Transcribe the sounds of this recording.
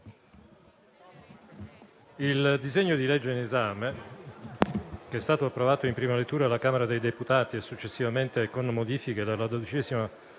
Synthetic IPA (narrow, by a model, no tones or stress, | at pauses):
ild̪izeɲːod̪ilɛd͡ʒːeinezaːme | keɛst̪aːt̪oapːɾovaːt̪oimpɾiːmalet̪ːuːɾalakaːmeɾad̪ejd̪eput̪aːt̪iɛsut͡ʃːesːivament̪ekonmod̪iːfiked̪alːad̪od̪it͡ʃɛːzima